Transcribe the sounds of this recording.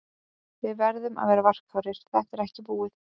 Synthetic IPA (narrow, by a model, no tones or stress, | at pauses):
vɪðvɛɾðʏma̰ðvɛːɾavar̥kfaɾɪɾ̥θɛht̪ɛɾɛhcɪpuːɪθ